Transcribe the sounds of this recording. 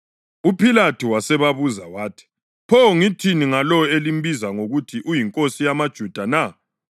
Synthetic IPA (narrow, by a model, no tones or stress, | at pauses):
upʰilatʰiwasɛβaβuzawaːtʰi̥ | pʰɔŋitʰiniŋalɔelim̩bizaŋoɣutʰiʔujiŋkʼosijamad̥ʒ̥ʱud̥ʱana